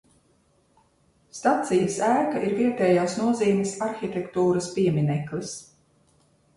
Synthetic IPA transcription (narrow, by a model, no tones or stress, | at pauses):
st̪at̪sijsæːkaʔiɾviɛt̪ɛːjaːsnuɔziːmʲisaɾxʲit̪ʲɛkt̪uːɾɐspiɛmʲinɛklˠis